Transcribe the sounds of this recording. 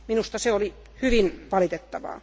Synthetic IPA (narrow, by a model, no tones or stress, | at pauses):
minust̪ɑseoli | hyʋinʋɑlit̪et̪ːɑʋɑ̰ː